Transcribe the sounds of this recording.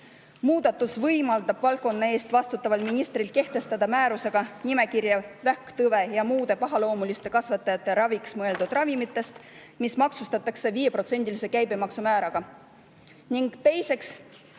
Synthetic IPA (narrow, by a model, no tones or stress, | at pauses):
muːd̪̥ɑt̪ːˑusvɤjmɑld̪̥ɑb̥vɑlkːˑo̞nːɑe̞ːst̪vɑst̪ut̪ːˑɑvɑlminist̪rilke̞ht̪e̞st̪ɑd̪̥ɑmæːɾuse̞ɡ̥ɑnime̞kirjɑvækt̪ɤve̞jɑmuːd̪̥e̞pɑɦɑlo̞ːmulist̪e̞kɑsvɑt̪ːˑɑjɑt̪ˑːe̞ɾɑviksmɤe̞ld̪̥ud̪̥rɑvimit̪ːˑe̞st̪ | mismɑksust̪ɑt̪ːˑɑkse̞viːje̞prot̪se̞nʲd̪̥ʲilise̞kæjbe̞mɑksumæːɾɑɡ̥ɑ | niŋɡ̥t̪e̞jse̞ks